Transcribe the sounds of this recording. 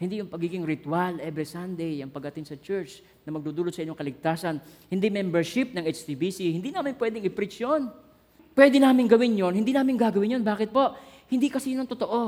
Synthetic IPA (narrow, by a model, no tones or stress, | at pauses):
hɪnd̪ijʊŋpɐɡiːɡɪŋɾɪt̪walʔɛbɾɪsand̪ɛjɐŋpɐɡ̚ɐt̪ɪnsɐt͡ʃɛɹt͡ʃ | nɐmɐɡ̚d̪uːd̪uːlot̪sɐʔɪɲoŋkɐlɪɡ̚t̪aːsɐnhɪnd̪imɛmbɛɹʃɪp̚nɐŋʔɛt͡ʃt̪ibisihɪnd̪inaːmɪnpwɛːd̪ɪŋɪpɾɪt͡ʃjon | pwɛːd̪ɛnaːmɪŋɡɐwɪnjonhɪnd̪iːnaːmɪŋɡaːɡɐwɪnjonbaːkɪt̪̚po̞ʔ | hɪnd̪ikɐsiːnont̪ot̪oʔo̞